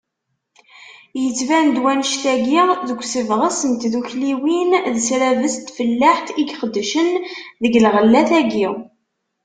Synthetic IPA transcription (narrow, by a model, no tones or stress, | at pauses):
jət͡sːvænd̪wænʃθæɡiʁðəɡʷsəvʁəsənt̪ðuçliwinðsɾævəst̪fəlːaħθiɡχəd̪ːʃənðəɡlʁəlːæθæɡiw